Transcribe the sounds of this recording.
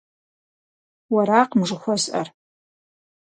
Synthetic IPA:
wɐɾaːqmʐɨxʷɔzʼʔɐ̰r

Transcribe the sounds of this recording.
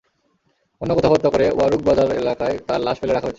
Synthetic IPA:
onːokɔt̪ʰabɔd̪ːokoɾeo̰aɾuɡ̚bad̪aɾḛlakaet̪aɾlaʃfeleɾakʰaot͡ɕʰ

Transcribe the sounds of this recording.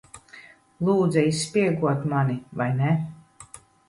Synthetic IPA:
lˠuːd̪zɛisːpʲiɛɡuɔt̪manivajnɛ

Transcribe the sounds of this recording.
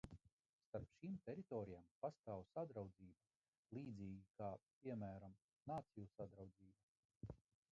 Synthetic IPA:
st̪aɾpʃiːmt̪ʲeɾit̪ɔːɾijampast̪aːwsad̪ɾawd̪ziːba | lˠiːd̪ziːɡʲikaːpiɛmæːɾam | naːt̪sijusad̪ɾawd̪ziːba

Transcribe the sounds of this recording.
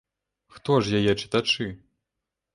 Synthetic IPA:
xt̪ɔʐjajɛt͡ʂɨ̥t̪at͡ʂɨ

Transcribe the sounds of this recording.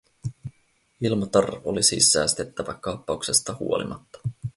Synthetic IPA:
ilmot̪ɑrolisḭsːæːst̪e̞t̪ːæʋækɑpːɑukse̞st̪ɑhṵo̞lḭmɑt̪ːɑ̥

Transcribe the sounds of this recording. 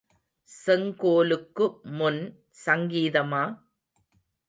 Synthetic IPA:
sɛŋkoːlɯkːɯmʊn | sɐŋɡiːðɐmaː

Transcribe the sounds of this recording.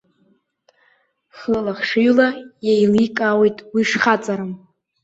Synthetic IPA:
χlalaχʂɨɥlajejlikʼawejtʼwiʂχat͡sʼaɾɨm

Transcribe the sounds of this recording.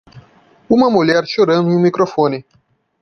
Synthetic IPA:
umamoljaɾʃoɾənujmikɾofone

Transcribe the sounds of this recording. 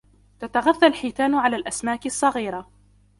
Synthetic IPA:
t̪at̪aɣaθːalħiːt̪aːnʕalaːlʔasmaːkɪsˤːɑɣiːɾˤa

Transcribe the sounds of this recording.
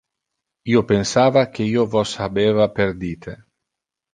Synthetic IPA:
iːopensaːvak̟eiːovɔsabeːvaperd̪iːt̪ʰe

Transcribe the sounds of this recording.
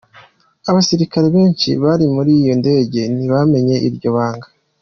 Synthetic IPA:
aβasiɾikaɾeβe̞ːnt͡ʃḭβaɾimuɾijo̞nde̞ːɟe̞niβame̞ɲe̞ʔiɾɟo̞βaːŋɡa

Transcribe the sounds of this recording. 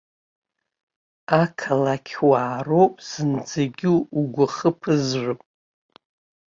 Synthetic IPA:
akʰalakʲʰwaːro̞wpʼz̥ɨnd͡zaɡʲɪuɡʷʊχəpʰɨzrʷɨpʼ

